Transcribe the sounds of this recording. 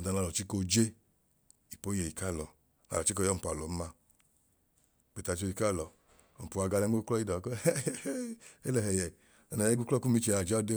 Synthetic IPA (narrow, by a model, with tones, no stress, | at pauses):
ɔ˨da˨˧na˨˧lɔ˨t͡ʃi˦ko˧d͡ʒe˦ | i˨po˨˦e˨i˨ka˦˨lɔ˨ | na̰˨˧˨ɔ˨t͡ʃi˦kɔ˧˦jɔ˦˨m̩˨pu˨a˨lɔ˨m̩˦ma˧˨ | k͡pe˨ta˨˧˨t͡ʃo˧i˧ka˦˨lɔ˨ | ɔ˨pu˨a˧ɡa˧lɛ˧˦o˦klɔ˦i˦dɔ˨˦ke˦lɛ˨hɛ˨jɛ˨ | a˨˧na˨ɛ˦ɡu˦klɔ˦ku˦mi˦t͡ʃe˧˨a˧˨d͡ʒɔ˦de˦